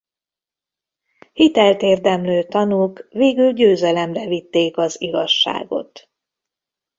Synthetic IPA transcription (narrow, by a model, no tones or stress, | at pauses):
hit̪ɛlt̪eːrd̪ɛmløːt̪ɒnuːkveːɡylɟøːzɛlɛmrɛvit̪ːeːkɒziɡɒʃːa̰ːɡo̞̰t̪